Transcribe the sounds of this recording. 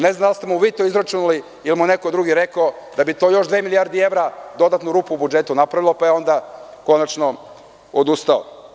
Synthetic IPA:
ne̞znand̪alst̪e̞muʋiːt̪oizɾat͡ʃunuli | ilimuneko̞d̪ɾuːɡiɾekao | d̪abit̪o̞ːjo̞ʃd̪ʋeːmilijaɾd̪ɛe̞vɾad̪o̞d̪at̪nuɾuːpuubud͡ʒe̞t̪unapɾaʋilˠopajeo̞nd̪ako̞nat͡ʃno | od̪ust̪ao̰

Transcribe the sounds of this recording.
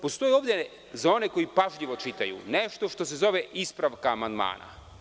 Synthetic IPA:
po̞st̪o̞jio̞ʋd̪ʲje | zao̞ne̞ko̞ipaʒʎiʋo̞t͡ʃit̪ajṵne̞ʃt̪o̞ʃt̪o̞s̬e̞zo̞ʋeʔispɾaʋkaːmand̪ma̰ːna̰

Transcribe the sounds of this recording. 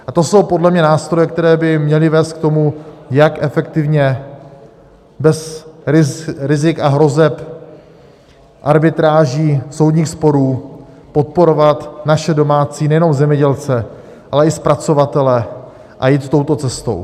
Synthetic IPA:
ʔat̪o̞so̞wpo̞dlɛmɲɛnaːst̪ɾojɛk̚t̪ɛɾɛːbɪmɲɛlɪvɛːst̪̚k̚t̪o̞mujakʔɛfɛkt̪ɪvɲɛ | bɛs | ɾɪzɪkaɦɾo̞zɛp | ʔaɾbɪt̪ɾaːʒiːso̞wd̪ɲiːxspo̞ɾuː | po̞t̪̚po̞ɾo̞vat̪naʃɛdo̞maːt͡siːnɛjɛno̞mzɛmɲɛɟɛlt͡sɛ | ʔalɛɪspɾat͡so̞vat̪ɛlɛ | ʔa̰jiːt̪t̪o̞wt̪o̞t͡sɛst̪o̞̰w

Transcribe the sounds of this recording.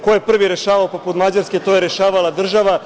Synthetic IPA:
kojepr̩ʋiɾeʃaːʋaopoput̪mad͡ʑaɾske̞t̪o̞jeɾeʃaːʋalˠad̪r̩ʒaʋa

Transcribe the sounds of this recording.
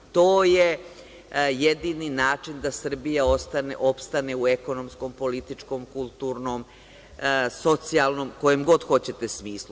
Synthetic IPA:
t̪oːje | jed̪ininaːt͡ʂind̪asr̩bijaost̪aneʔo̞pst̪aneueko̞nomsko̞mpo̞lit̪it͡ʂko̞mkulˠt̪uɾnoːm | so̞t̪sialˠno̞mko̞jemɡo̞d̪xo̞t͡ɕe̞t̪esmiːslˠu

